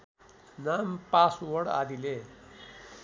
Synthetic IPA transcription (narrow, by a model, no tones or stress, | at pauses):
nampaswʌɽa̰d̪ile